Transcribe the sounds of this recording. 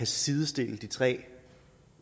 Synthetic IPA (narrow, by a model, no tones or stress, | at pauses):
æsiðˠəsd̥e̝̰ːlð̩ˠd̥it͡sʰʁɛ̰ː